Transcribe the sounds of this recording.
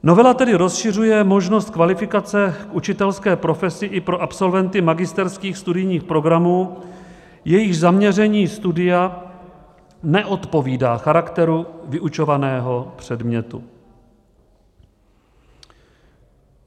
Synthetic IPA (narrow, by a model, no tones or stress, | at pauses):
no̞vɛlat̪ɛdɪɾo̞sʃɪr̝ujɛmo̞ʒnost̪̚kvalɪfɪkat͡sɛkʔut͡ʃɪt̪ɛlskɛːpɾo̞fɛsɪʔɪpɾo̞ʔapso̞lvɛnt̪ɪmaɡɪst̪ɛɾskiːxst̪udɪjɲiːxpɾo̞ɡɾamuː | jɛjɪʒzamɲɛrɛɲiːst̪udɪa | nɛʔo̞t̪po̞viːdaːxaɾakt̪ɛɾuvɪʔut͡ʃo̞vanɛːɦo̞pr̝̥ɛdmɲɛt̪ṵ